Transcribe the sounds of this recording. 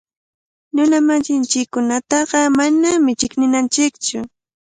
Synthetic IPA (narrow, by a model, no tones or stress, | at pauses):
nʊnamasɪnt͡ʃɪkːʊnat̪ɑɢɑmanamɪt͡ʃɪknɪnant͡ʃɪkt͡ʃʊ